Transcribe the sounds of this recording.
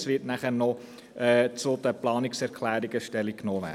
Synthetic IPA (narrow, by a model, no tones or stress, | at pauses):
sʋɪtnæχəɾnɔ | ʔɛːt͡sʊd̥əplɑːniksɛɾkʰlæːɾiɡəʃtɛlikkːnoːvæ̰ː